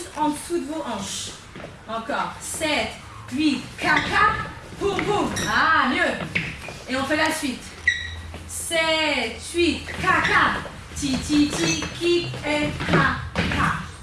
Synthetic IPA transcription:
ɑ̃sut̪voʔɑ̃ʃ | ɑ̃kɔːʁsɛt̪ | ɥit̪kʰaka | puʁvuamjø | eɔ̃fɛlasɥit̪ | sɛt̪ɥit̪kaka | t̪it̪it̪ikʲiɛkaka

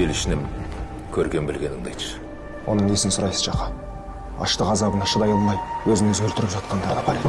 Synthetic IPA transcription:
elɪʃɪnɪm | kʲʰɵɾɡʲe̞mbɪlɡʲe̞nɪŋd̪ejt̪ʃə̥ | wʔo̞̰nəɴnesɪnsʊɾɑjsəz̥ʃɑqɑ | ɑ̰ʃt̪əqɑzɑbənɑʃəd̪ɑjəlˠmɑjwɵzɪŋɪzɡʲʏlt̪ɪɾɪpʒɑt̪̚qɑnd̪ɑɾd̪ɑpʰɑɾed̪

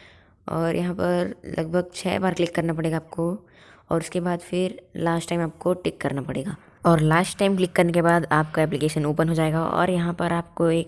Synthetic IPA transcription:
ɔ̰ːɾjɐɦãpɐɾlʔɐ̰ɡ̚bʱəɡ̚t͡ʃʰɛ̰ːbaːɾklɪkːɐɾnapɐɽeːɡaːp̚ko | ɔ̰ːɾʊskebaːd̪fɪɾlaːsʈaːɪ̃maːp̚koʈɪkːɐɾnapɐɽ̤eːɡaː | ɔːɾlaːsʈʈaːɪmklɪkːəɾnekebaːd̪aːpkaɛːp̬lɪkeːʃənoːpənɦod͡ʒaːeːɡaɔ̰ːɾjɐɦãpɐɾaːp̚koeːk̚

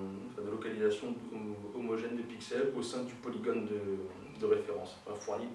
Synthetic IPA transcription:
ɑ̃fɛ̃d̪əlɔkalizasjɔ̃ɔmɔʒɛnd̪əpiksɛlosɛ̃d̪ypɔliɡɔnd̪ə | d̪əʁefeʁɑ̰̃sɑ̃fɛ̃fwaji

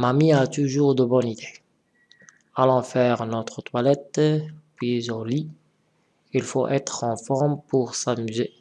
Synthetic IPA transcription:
mamiat̪uʒuːʁd̪əbɔnid̪e | alɑ̃fɛːʁnɔt̪χət̪walɛt̪pɥizõli | ilfoʔɛt̪χɑ̃fɔʁmpuʁsamyze

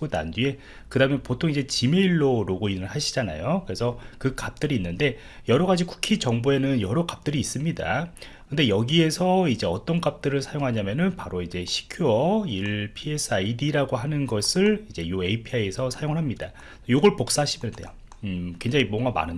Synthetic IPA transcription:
ona̰ndie̞ | kɯdaɯmʌnpotʰoŋid͡ʑe̞t͡ɕimeiɭːoɾoɡoinɯɭɦaɕʰi̥d͡ʑana̰jokɯɾe̞sʰʌkɯkap̚t͈ɯɾiːnːɯnde̞ | jʌɾʌɣad͡ʑiku̥kʰit͡ɕʌŋboe̞nɯnjʌɾokap̚t͈ɯɾiːs͈ɯmɲida̰ | kɯndejʌɡie̞sʰʌid͡ʑe̞ʌt͈ʌnkap̚t͈ɯɾɯɭsʰajoŋɦaɲamjʌnɯnpaɾoid͡ʑe̞ɕʰi̥kʰjuʌiɭpʰie̞s͈ʰaidiɾaɡoɦanɯnɡʌsʰɯɭid͡ʑe̞jue̞ipʰiaiesʰʌsʰajoŋɯɭɦamɲida | sʰʌjoɡʌɭpok̚s͈aɦɕʰimjʌnndḛjo | kwe̞ŋd͡ʑaŋimʌŋɡama̰nɯn

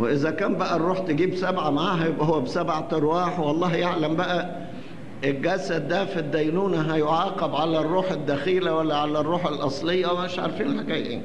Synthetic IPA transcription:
weʔezækæːmbæʔærˤːuːħt̪eɡiːbsæbʕamaʕaːɦæhowːæbsæbʕat̪ɑɾwɑːħwɑlˤːɑːɦjaʕlæmbæʔæ | ʔelɡæsːæd̪æfid̪ːæjnuːnæɦæjoʕɑːqɑbʕalærːuːħed̪ːæxiːlæwælːæʕalːærːuːħelʔɑ̰sˤlejːæwmæeʃʕɑ̰ɾˤfiːnħaɡæːja̰ni

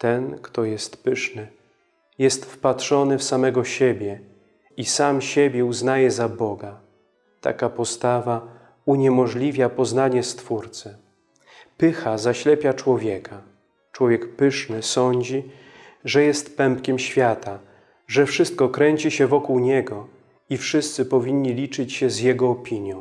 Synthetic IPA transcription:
t̪ɛnkt̪ɔjɛst̪pɘʂnɘ | jɛst̪fpatʂɔnɘfsamɛɡɔɕebʲjɛ | isamɕebʲjɛuznajɛzabɔɡa | t̪a̰kapɔst̪ava | uɲɛmɔʐlʲivʲjapɔznaɲɛst̪fuɾt̪sɛ | pɘxazaɕlɛpʲjat͡ʂwɔvʲjɛkʰa | t͡ʂwɔvʲjɛkpɘʂnɘsɔɲd͡ʑi | ʐɛjɛst̪pɛmpkʲɛmɕfʲjat̪a | ʐɛfʂɘst̪̚kɔkɾɛɲt͡ɕiɕɛvɔkuwɲɛɡɔ | ifʂɘst̪sɘpɔvʲiɲːilʲit͡ʂɘt͡ɕɕɛzjɛɡɔːpʲiɲjɔ̃w̃

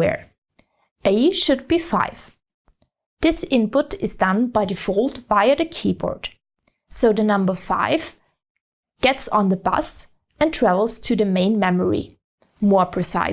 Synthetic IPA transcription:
ɛ̰ɹ | ʔeɪʃɨd̚bifa̰ɪv̥ | ðɪsɪ̃npʊɾɨzdʌ̃nbaɪðɨfoʊlˠdvaɪə˞ðɨkʰibɔ̰ɹd̥ | soʊðɨnʌ̃mbə˞fa̰ɪv̥ | ɡ̥ɛtsn̩ðəbʌ̰s | ɨ̃ntʰɹ̥ævl̩ˠz̥tʰɨðɨmẽɪ̃nmɛmə˞ḭ | mɔɹpʰɹ̥ɨsa̰ɪ

